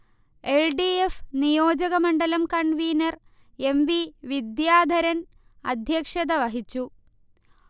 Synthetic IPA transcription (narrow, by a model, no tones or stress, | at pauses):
e̞lɖiefnijo̞ːd͡ʑɐɣɐmɐɳɖɐlɐmkɐɳɖʋiːnɐr | e̞mʋiʋid̪jaːd̪ʱɐɾɐn | ɐ̰d̪ʱjɐkʂɐd̪ɐʋɐɦit͡ɕːu